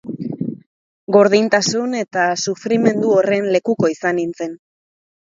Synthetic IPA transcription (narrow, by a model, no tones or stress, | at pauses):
ɡo̞ɾðint̪asune̞t̪asufɾime̞nd̪uore̞nle̞kuko̞isanint͡se̞n